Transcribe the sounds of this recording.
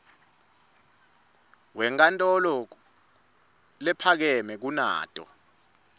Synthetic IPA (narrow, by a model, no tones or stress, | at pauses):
wɛŋkʼantʼɔlɔ | lɛpʰak̬ɛmɛk̬una̰ːtʼɔ̰